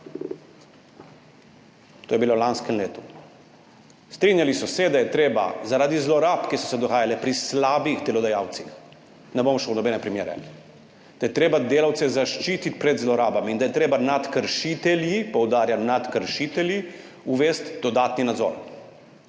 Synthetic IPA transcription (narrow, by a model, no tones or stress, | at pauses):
t̪oːjɛbilolanskɛmleːt̪u | st̪ɾinjalisɔsɛd̪ajɛt̪ɾeːba̰zaɾaːd̪izlɔɾaːpkisɔ̥sɛd̪ɔɣaːjalɛpɾislaːbixd̪ɛlɔd̪ajaːwt̪six | nɛbomɔʃɛwnɔbɛnɛpɾimjeːɾɛ̰ | d̪̥ajɛt̪ɾeːbad̪eːlawt̪sɛzaʃt͡ʃiːt̪it̪̚pɾɛd̪zlɔɾaːbamind̪ajɛt̪ɾeːbanat̪kəɾʃit̪ɛljipɔwd̪aːɾjanat̪kəɾʃit̪ɛlji | uʋeːst̪d̪ɔd̪aːt̪ninad̪zɔ̰ːɾ